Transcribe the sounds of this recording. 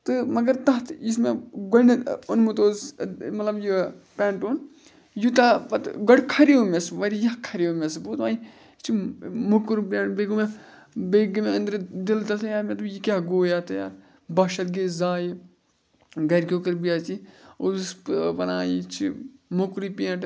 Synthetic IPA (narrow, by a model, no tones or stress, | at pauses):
t̪ɨmɐɡɐɾt̪ɐt̪ʰismeɡolʲnionmut̪oːzmɐt̪lɐbjupɛːɳʈoːn | jut̪ɐpɐt̪ɡɐɽkʰɐɾiomesʋɐɾijɐkʰɐɾiomesboːt̪maː | t͡ʃʰimukuɾbaːnbeɡume | beɡumeɐnd̪ɾd̪ilt̪ɐt̪ʰjaːmẽt̪ujikʲaɦɡoːjaːt̪ɐja̰ | bɐʃɐt̪ɡezaːj | ɡɐɾkʲokɐɾbijaːt͡ʃiousppɐna̰ːjit͡ʃʰimukɾipiẽʈ